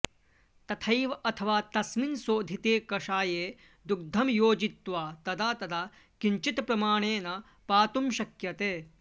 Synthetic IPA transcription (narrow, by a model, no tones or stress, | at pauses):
t̪ɐt̪ʰɐjʋɐɐt̪ʰɐʋaːt̪ɐsminsoːd̪ʱit̪eːkɐʂaːjeː | d̪uɡ̚d̪ʱɐmjoːd͡ʒit̪ʋaːt̪ɐd̪aːt̪ɐd̪aː | kiɲt͡ʃit̪pɾɐmaːɳeːnɐ | paːt̪umʃɐkjɐt̪eː